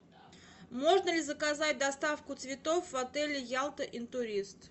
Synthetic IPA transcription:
mo̞ʐnəlʲɪzəkazatʲd̪ɐst̪afkʊt̪svʲɪt̪o̞fvɐt̪ɛlʲɪjalˠt̪əʔɪnt̪ʊɾʲist̪

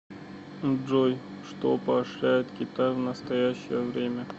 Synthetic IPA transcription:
ʐoj | ʂt̪opɐːʂɾʲæjɪt̪kʲɪt̪ajvnəst̪ɐjæɕːɪjəvɾʲemʲə

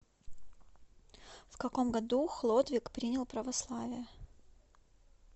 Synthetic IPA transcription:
fkɐko̞mɡɐd̪uxlˠod̪vʲɪkpɾʲinʲəlˠpɾəvɐslˠavʲɪjə

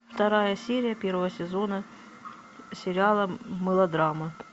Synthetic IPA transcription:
ft̪ɐɾajəsʲeɾʲɪjəpʲervəvəsʲɪzo̞nə | sʲɪɾʲɪalˠəməlˠɐd̪ɾamə

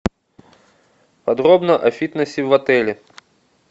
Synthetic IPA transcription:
pɐd̪ɾobnɐʔɐfʲit̪nəsʲɪvɐt̪ɛlʲɪ

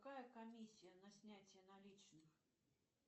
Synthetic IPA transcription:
kajɐkamʲisʲijɐnɐsʲnʲat͡sʲjɛnalʲit͡ʂnɨx

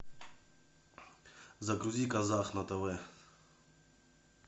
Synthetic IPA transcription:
zɐɡɾuzʲikɐzaxnɐt̪ɛvɛ

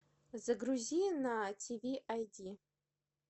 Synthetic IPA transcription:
zaɡruzʲijnatʰivʲiʔajdʲi

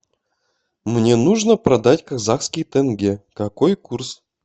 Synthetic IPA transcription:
mnʲenuʐnəprɐd̪atʲkazaχskʲijt̪ɘnɡʲekakojkurs

